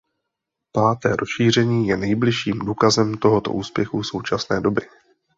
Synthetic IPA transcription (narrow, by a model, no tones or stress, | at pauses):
paːt̪ɛːɾʔo̞sʃiːr̝ɛɲiːjɛnɛjblɪʃiːmduːkazɛmt̪o̞ɦo̞t̪o̞̰ʔuːspjɛxuso̞wt͡ʃasnɛːdo̞bɪ